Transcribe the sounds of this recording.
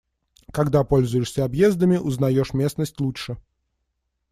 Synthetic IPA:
kɐɡd̪apolʲzʊjɪʂsʲəɐbjezd̪əmʲɪʔʊznɐjoʂmʲesnəsʲtʲlˠut͡ʂʂɨ

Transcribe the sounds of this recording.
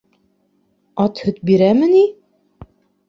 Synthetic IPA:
ɑt̪hɵ̆t̪̚biɾæmɘ̆ni

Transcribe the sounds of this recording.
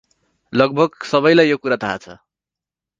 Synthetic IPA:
lʌɡ̚bʱʌɡsʌβʌjlajːokuɾat̪ʰaːt͡sʰʌ

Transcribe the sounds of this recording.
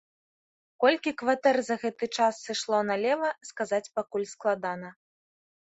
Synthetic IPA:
kɔlʲkʲikvat̪ɛrzɐɣɛt̪ɨt͡ʂasːɨʂlˠɔnɐlʲɛvɐskazat͡sʲpakulʲsklˠad̪anɐ

